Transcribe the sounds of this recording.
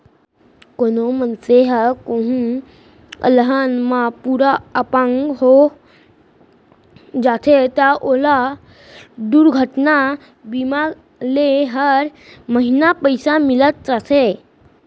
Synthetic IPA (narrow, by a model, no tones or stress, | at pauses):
konomənseɦəkoɦũ | ə̰ləɦənmapuɾaəpãŋɡɦo | d͡zat̪ʰet̪jaʔola | ɖ̪uɾɡʱəʈna | bimaɡ | leɦəɾməɦinapəjsamilət̪t͡səse